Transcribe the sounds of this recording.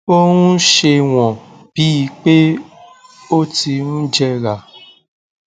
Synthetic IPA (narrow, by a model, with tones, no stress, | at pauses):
o˦ɾũ˦ʃe˧w̃ɔ̃˨ | b̥i˨˦i˧k͡pe˦ | o˦ti˧nũ˦d͡ʒɛ˧ɾa˨